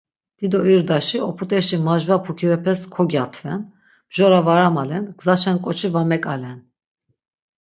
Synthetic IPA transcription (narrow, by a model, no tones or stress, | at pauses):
d̪̥id̪ɔiɾd̪aʃiɔpʰut̪ʼɛʃimaʒvapʰukʰiɾɛpʰɛskʰɔɡjat̪ʰvɛn | b̥ʒɔɾavaɾamalɛnɡ̥zaʃɛnkʼɔt͡ʃʰivamɛkʼalɛn